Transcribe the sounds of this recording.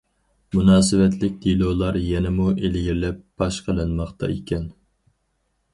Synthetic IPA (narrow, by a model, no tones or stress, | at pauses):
munɑːsɨvɛt̪ʰlɪk̚ʲd̪̥ilˠolˠɑɾjɛnɛmuʔelɡʲiɾlɛp̚b̥ɑʃqʰəlˠɨnmɑχt̪ɑ̰ikʲʰɛn